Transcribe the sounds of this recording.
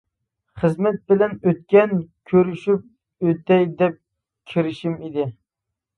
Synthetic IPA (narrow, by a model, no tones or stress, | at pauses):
χəzmɛt̪̚bɪlɛnøt̪̚kʲɛnkʲʰøɾyʃyp̚ | øt̪ɛjd̪ɛp̚ | kʲʰiɾɪʃimid̪ɪ